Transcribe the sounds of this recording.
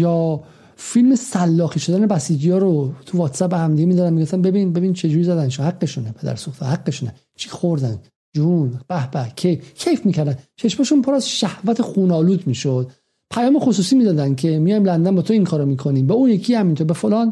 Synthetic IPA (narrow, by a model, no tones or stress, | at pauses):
jɒː | filmesælːɒːxiːʃo̞d̪æne̞bæsiːd͡ʒijɒːɾot̪ʰuvɒːt̪sæp̚behæmd̪iɡemiːd̪ɒd̪ænmiɡoft̪ænbebinbe̞bint͡ʃʰe̞d͡ʒuːɾizæd̪ænʃhæɡːeʃunepʰe̞d̪æ̰ɾsuxt̪ʰɑ̰hæɡːeʃunḛ | t͡ʃʰi̥xoɾd̪æn | d͡ʒunb̥æhbæcʰejfcʰejfmiːcʰæɾd̪ænt͡ʃʰe̞ʃmæʃunpʰoɾæzʃæhvæt̪ʰexuːnɒːluːd̪miːʃod̪̥ | pʰæjɒːme̞xosuːsiːmiːd̪ɒːd̪æncʰemijɒjmlænd̪ænbɒːt̪ʰoiŋkʰɒːɾomiːkʰoniːmbɛuːjekʰihæmint̪ʰoɾbefolɒːn